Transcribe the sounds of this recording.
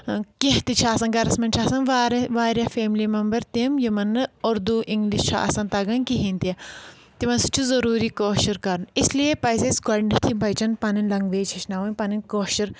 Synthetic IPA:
kiht̪it͡ʃʰaːsɐnɡɐɾɐsmɐnt͡ʃʰaːsɐnʋaɾʋaːɾʲjɐfeːmlimɐmbɐɾt̪imjimɐnːɨoɾd̪uʔiŋɡliʃt͡ʃʰa̰ːsɐnt̪ɐɡɐnkiɦint̪iɐ | t̪imɐnsu̥t͡ʃʰuzɐɾuːɾikoːʃɐɾkɐɾnislijepɐjsesɡɐɳɖit̪ʰibʱɐjt͡ʃɐnpɐninlɐŋɡʋeːt͡ʃʰɐʃnɐːʋɐnʲpɐninkoːʃɐɾ

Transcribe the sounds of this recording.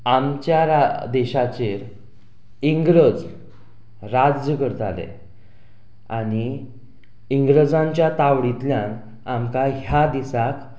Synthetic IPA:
amt͡ɕjaɾad̪ɛɕat͡ɕeɾ | iŋɡɾəd͡z | ɾad͡zəkəɾət̪a̰lḛ | aɽ̃i | iŋɡɾəd͡zãɲt͡ɕjat̪aʋɽit̪ljãn | amkaɦjad̪isak

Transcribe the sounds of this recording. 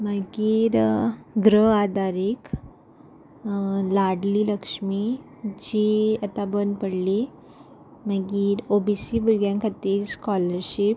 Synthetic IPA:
məɡiːɾɡɾəad̪ʱaɾik | laɽliːləkʂmi | d͡ʑiat̪abənd̪pəɽli | maɡiːɾobisibuɾɡjãŋkʰat̪iːɾskɔləɾɕip

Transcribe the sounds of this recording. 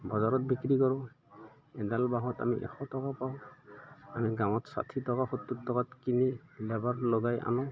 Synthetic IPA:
bɔzaɹɔt̚bikɹikɔɹʊ̃ | ɛdalbaɦɔta̰miʔɛ̰xɔtɔkapaʊ̃ | amiɡaw̃ɔtsa̰tʰitɔkaxotːutːɔkatkinilɛbaɹlɔɡajʔa̰nɔ

